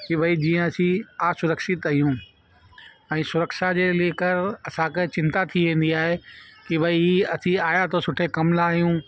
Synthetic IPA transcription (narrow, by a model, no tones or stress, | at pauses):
kibʱɐid͡ʑiːə̃ɐsĩaːsʊɾəkʃɪt̪ɐijũ | ɛ̃ːsʊɾəkʃad͡ʑeːleːkəɾɐsãkɐɦɪ̃t͡ɕɪ̃nt̪at̪ʰiʋẽːn̆d̪iaːɦekibɐiiɐsʰĩaːjat̪ʰosʊʈʰekɐmlaːɦjũ